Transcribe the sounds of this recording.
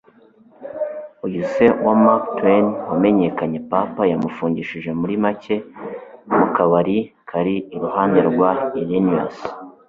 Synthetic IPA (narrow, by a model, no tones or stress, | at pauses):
ujuse̞wamaktwenwame̞ɲe̞kaɲe̞papajamufuːɲɟiʃiʒe̞muɾimacʰe̞ | mukaβaɾi | kʰaɾiːɾuhaːnde̞ɾɡwailinias